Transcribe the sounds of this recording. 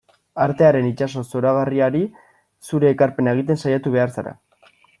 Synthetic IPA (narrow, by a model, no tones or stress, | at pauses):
aɾt̪e̞aɾe̞nit͡ʃaso̞so̞ɾaɣ̞ariaɾi | suɾe̞ːkaɾpe̞nae̞ɣ̞it̪̬e̞nsajat̪uβ̞e̞aɾsaɾa̰